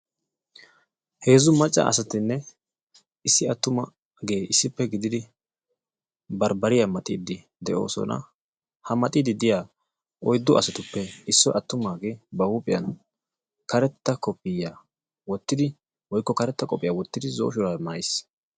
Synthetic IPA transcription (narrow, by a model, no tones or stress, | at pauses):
he̞ːzʊmɐt͡ʃʼːɐ̰ʔɐ̰sɐt̪ɪnːɛ | ɪsːɪɐt̪ːʊmɐ | ɡe̞ːʔɪsːɪpːɛɡɪd̪ɪd̪ɪ | bɐɾbɐɾɪjamɐt̪ʼiːd̪ɪ | d̪ɛʔo̞̰ːsɔ̰nɐ̰ | hɐmɐt̪ʼiːd̪ɪd̪ɪjaː | ɔjd̪ːʊʔɐsɐt̪ʊpːɛɪsːɔʔɐt̪ːʊmaːɡe̞ːbɐhuːpʼɪjɐn | kɐɾɛt̪ːɐkɔpʼːɪja | wɔt̪ːɪd̪ɪ | wɔjkːɔkɐɾɛt̪ːɐkʼɔpʼːɪjawɔt̪ːɪd̪ɪzoːʃɔɾamaːjs